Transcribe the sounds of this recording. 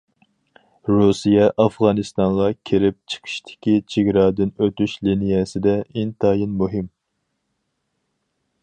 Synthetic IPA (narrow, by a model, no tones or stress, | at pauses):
ɾusijɛʔɑfʁɑːnɨst̪ɑŋʁɑkʲʰeɾɪp̚t͡ʃʰə̥qʰə̥ʃt̪ʰɪ̥kʲit͡ʃʰeɡʲɾɑːd̪ɪnøt̪yʃlinijɛsɪd̪ɛint̪ʰɑːjinmuɦɪm